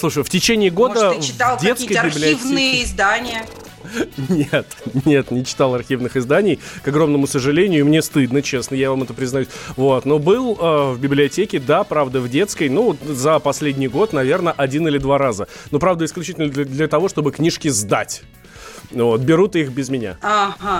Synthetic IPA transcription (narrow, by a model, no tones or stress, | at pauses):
slˠuʂɨjftʲɪt͡ɕenʲɪːɡo̞d̪əvɪt̪alˠdʲet̪ʲiskəjbʲɪbllʲɪivnɨjəɪzd̪anʲɪjə | nʲet̪nʲe̞t̪nʲɪt͡ɕɪ̥t̪alˠɐrxʲivnɨxɨzd̪anʲɪjkɐɡɾo̞mnəmʊsəʐɨlʲenʲɪjʊimnʲe̞st̪ɨd̪nət͡ɕe̞snəjavamɛt̪əpɾʲɪznɐjusʲvo̞t̪nobɨlˠəvbʲɪblʲɪɐtʲekʲɪd̪apɾavd̪əvdʲe̞t̪skəjnuot̪zəpɐsʲlʲedʲnʲɪjɡo̞t̪nɐvʲe̞rnəʔɐdʲinɨlʲɪd̪vaɾazənopɾavd̪əɪsklʲʉt͡ɕitʲlʲnəd̪ʲd̪lʲət̪ɐvo̞ʂt̪o̞bɨknʲiʂkʲɪzd̪a̰tʲ | vot̪̚bʲɪɾut̪ixbʲɪzmʲɪnʲa̰aɦa